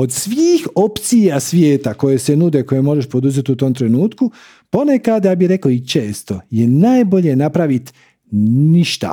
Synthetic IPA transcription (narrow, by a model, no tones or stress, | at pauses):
o̞d̪sʋiːxo̞pt̪sijasʋjeːt̪ako̞je̞senud̪eko̞je̞mo̞ʒeʃpo̞d̪uze̞t̪ut̪o̞mt̪ɾenuːt̪ku | po̞nekad̪jabiɾe̞koit͡ʃe̞ːst̪o̞je̞naːjbo̞ʎe̞napɾaʋit̪ | niʃt̪a̰